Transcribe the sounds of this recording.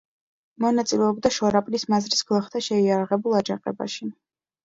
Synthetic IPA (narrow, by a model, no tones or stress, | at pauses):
mɔnat̪sʼilɛɔbd̪aʃɔɾapʼlismazɾisɡ̥lˠaχt̪ʰaʃɛiaɾaʁɛbulˠad͡ʒaqʼɛ̰ba̰ʃi